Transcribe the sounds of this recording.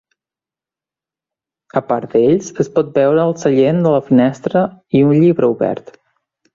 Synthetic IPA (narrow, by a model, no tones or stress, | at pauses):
əpaɾd̪eʎsəspɔt̪̚bɛwɾəːlˠsəʎend̪ələfinɛst̪ɾəiunʎiβɾəuβɛ̰ɾt̪